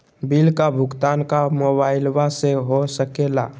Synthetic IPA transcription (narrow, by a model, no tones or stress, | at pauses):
bilkabʱʊɡt̪ankamobaːɪlwaseɦosəkela